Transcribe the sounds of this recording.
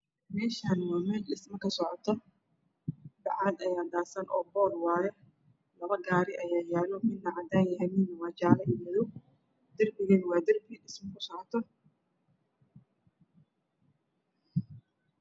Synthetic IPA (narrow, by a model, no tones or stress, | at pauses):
mɛːʃaːnwɑːmɛːlɗɪsmɐkʰɐsɔʕɔt̪ʰɔ | d̪ɑʕaːd̪ɐjaːd̪aːsɐnʔɔ̰ːbɔːlwɑaːjɛ | lɐβɐɡaːɾɪʔɐjaːjaːlɔmɪd̪nɐʕad̪aːnjɐɦɛmiːnɐwɑːt͡ʃaːlɐʔɪmɔðɔw | d̪̥ɐrbɪɣɛnwɑːd̪ɐrbɪːɗɪsmɐkʰʊsɔʕɔt̪ʰɔ